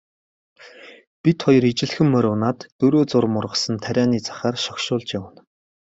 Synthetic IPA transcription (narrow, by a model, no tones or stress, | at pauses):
pʲit̪χɔjɞ̆rit͡ɕɪ̆ɮxɘ̆mːœɾʲʊːnaːt̪ːɵɾoːt͡sʊrmʊrʁə̆sə̆nt̪ʰæɾʲæːniːt͡sḁχaːrʃɔkʃʊːɮt͡ɕjawə̆n